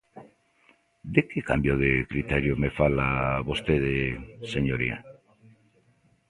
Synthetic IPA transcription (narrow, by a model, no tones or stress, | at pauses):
d̪ekeka̰mbjoðekɾit̪eɾjomefalaβost̪eðeseɲoɾia̰